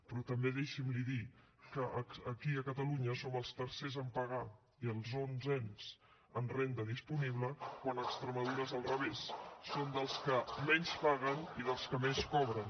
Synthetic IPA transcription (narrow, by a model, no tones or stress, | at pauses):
pɾɔt̪əmbeðeʃimliði | kəʔəːkiəkət̪əluɲəsoməlˠst̪əɾsezəmpəɣ̞a | iəlˠzonzɛnz̥ | ənrend̪əðispuniβləkwanəkst̪ɾəməðuɾəzəlˠrəβesːond̪əlˠskəmɛɲspaɣəniðəlˠskəmɛskɔβɾən